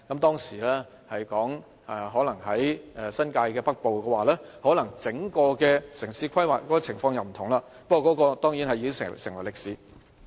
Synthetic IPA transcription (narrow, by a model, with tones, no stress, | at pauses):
kɐ˨˥mt̪ɔː˥ŋsiː˨˩lɛː˥ | hɐ˨jkɔː˨˥ŋ | ʔɛ˨˧ɦɔː˨˥lɐ˨˩ŋɦɐ˨˥jɛ˨˧sɐ˥nkaː˧jkɛː˧pɐ˥k̚po˨wkɛː˧waː˨˩lɛː˥hɔː˨˥lɐ˨˩ŋt͡sɪ˨˥ŋkɔː˧kɛː˧sɪ˨˩ŋsiː˧kʷʰɐ˥jwaː˨˩tkɔː˨˥kɔː˧t͡sʰɪ˨˩ŋfɔː˧ŋjɐ˨wm̩˨˩t̪ʰʊ˨˩ŋlaː˧ | pɐ˥kɔː˨˧kɔː˨˧˥kɔː˧t̪ɔː˥ŋji˨˥nhɐ˨jiː˧˥sɪ̰˨sɪ˨˩ŋwɐ˨˩jlɪ˨k̚siː˨˥